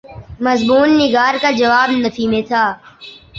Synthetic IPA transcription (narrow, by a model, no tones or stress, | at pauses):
mɐzmuːnːɪɡaːɾkad͡ʒɐʋaːbnɐfʰimẽt̪ʰaː